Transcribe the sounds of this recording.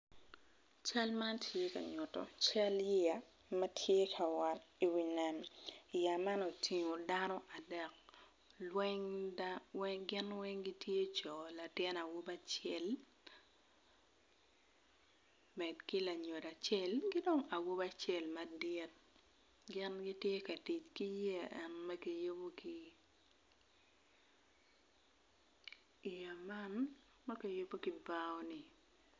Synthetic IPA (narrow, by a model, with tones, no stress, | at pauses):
t͡ʃa˦lma˦ntʰje˦ka̰˨ɲʊ˨tɔ̰˨t͡ʃa˦lje˦ja˨ | mɐ˦tʰje˦kʰa˨wa˨ti˨wi˨nɛ˨mi˨ja˨ma˦no˨tʰi˨ŋo˨da˦nɔ˦ʔa˨dɛ˨k̚ | lwɛ˦ŋawɛ˦ŋɡɪ˦nwɛ˦ŋɡi˦tʰje˦t͡ʃɔ˨la˨tɪ˦na˨wo˦ba˦t͡ʃe˦l | mɛ˨dkɪ˦la˨ɲo˨da˨t͡ʃɛ˦˨lɡɪ˦do˦ŋa˨wo˦ba˦t͡ʃɛ˦˨lma˨dɪ˦t̚ | ɡɪ˦nɡɪ˦tje˦ka˨ti˨t͡ʃki˦je˦a˨ʔɛ˦nmɐ˦ki˨jo˦bo˦ki | i˨ja˨ma˦n | mɐ˦ke˨jo˦bo˦kɪ˨ba˦ɔ˦ni˨